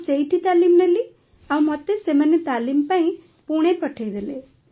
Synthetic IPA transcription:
sejʈit̪aːlimnelːi | aʋmɔt̪ːesemənːet̪aːlimpaĩ | puɽ̃epəʈʰejd̪ele

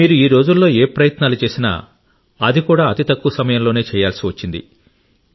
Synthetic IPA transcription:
miːɾuiːɾo̞ːd͡ʒulːo̞ːeːpɾɐjɐt̪naːlut͡ʃe̞ːsina̰ | ɐd̪ikuːɽaːɐt̪it̪ɐkːuɐsɐmɐjɐmloːne̞ːt͡ʃɛːjaːlsiʋɐt͡ʃːind̪ḭ

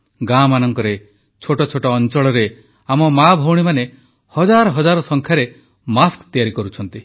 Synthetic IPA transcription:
ɡamanɔŋkɔɾe | t͡ʃʰoʈɔt͡ʃʰoʈɔːnt͡ʃɔɭɔɾe | amɔmabʱɔwɽ̃imane | hɔd͡ʒaɾɔɦɔd͡ʒaɾɔsɔŋkʰjaɾe | maskt̪ijaɾikɔɾut͡ʃʰɔnt̪i

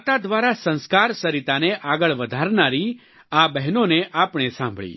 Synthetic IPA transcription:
t̪ad̪ʋaɾasə̃nskaɾsəɾit̪aneʔaɡəɭʋəd̪ʱaɾnaɾi | abɛɦnoneʔapɳ̃esãmbʱɭḭ

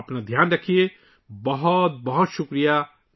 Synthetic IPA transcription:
ɐpnad̪ʱjaːnɾɐkʰie | bɐɦʊt̪̚bɐɦʊt̪ʃʊkɾija

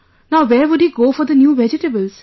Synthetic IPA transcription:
naʊʋɛːɾʋʊɖhiːɡoːfɔɾd̪ənjuːʋɛd͡ʒɪʈəbəlz̥

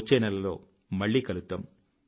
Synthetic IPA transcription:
t͡ʃːɐjnɐlɐlo̰ː | mɐɭːikɐlut̪ːɐm

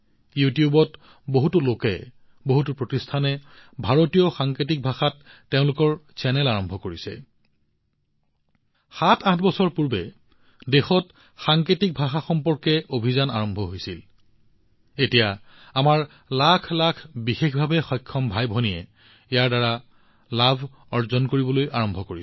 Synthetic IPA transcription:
jutijubɔt | boɦutulokɛ̰ | boɦutupɹotistʰanɛbʱaɹotijɔxaŋkɹit̬ik̚bʱaxatːeʊ̃lʊkɔɹsɛnɛlaɹɔmbʱɔkoɹisɛ̰ | xatʰãtʰbɔsɔɹpuɹbɛ | dexɔt | xaŋketik̚bʱaxaxɔmpɔɹkɛobʱizana̰ɹɔmbʱɔɦojsil | etija | amaɹ | lakʰlakʰbixexʰbʱabɛxɔjkʰːɔmbʱajbʱɔnijɛ̰ | ejaɹdaɹa | labʱ | ɔɹzɔnkoɹibɔlojʔaɹɔmbʱɔkoɹi

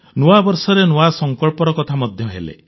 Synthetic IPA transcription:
noabɔɾsɔɾenoasɔŋkɔɭpɔɾɔkɔt̪ʰamɔd̪ʱjɔɦḛlḛ

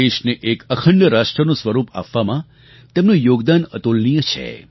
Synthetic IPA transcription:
eʃneʔekəkʰəɳɖəɾaʃʈɾənũsʋəɾupa̰pʋamã | t̪emnũjoɡd̪anət̪olnijət͡ʃʰḛ

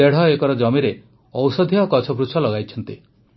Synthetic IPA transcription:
eɽ̤ɔekɔɾɔd͡ʒɔmiɾe | ɔwsɔd̪ʱiɔkɔt͡ʃʰɔbɾut͡ʃʰɔlɔɡajt͡ʃʰɔnt̪i

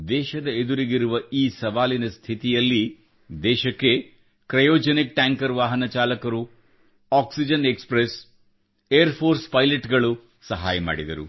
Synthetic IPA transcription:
d̪ɛːʃɐd̪ɐed̪uɾiɡiɾuʋɐiːsɐʋaːlinɐst̪ʰit̪ijɐlːi | d̪ɛːʃɐkːe̞ | kɾɐjoːd͡ʒɐnik̚ʈaːŋkɐɾʋaːɦɐnɐt͡ʃaːlɐkɐɾu | aːksid͡ʒɐne̞kspɾes | ejɐɾpʰoːɾspɐjleʈɡɐɭu | sɐɦaːjɐma̰ːɽid̪ɐɾu

